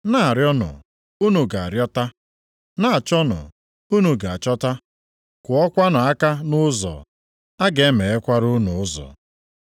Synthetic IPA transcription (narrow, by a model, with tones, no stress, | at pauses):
na˦a˨ɾjɔ˦nʊ̰˨ | u˦nu˨ɡa˨a̰˨ɾjɔ˦ta˦ | na˦a˨t͡ʃɔ˦nʊ̰˨ | u˦nu˨ɡa˨a˨t͡ʃɔ˦ta˦ | kʷʊ˨ɔ˦kʷa˦nʊ˨a˦ka˦nʊ˦zɔ̰˨ | a˦ɡe˨e˦me˨e˦kʷa˦ɾʊ˦nʊ˨ʊ˦zɔ̰˨